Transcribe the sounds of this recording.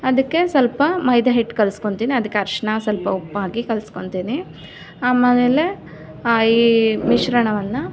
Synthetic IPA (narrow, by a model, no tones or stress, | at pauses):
ɐd̪ɐkːe̞sɐlpɐmɐjd̪ʱɐɦiʈːkɐlsko̞ɳt̪iːniɐd̪ɐkːeɐɾʂɐɳasɐlpɐupːaːɡikɐlsko̞ɳt̪iːni | aːmɐnele | iːmiʃɾɐɳɐʋɐnːu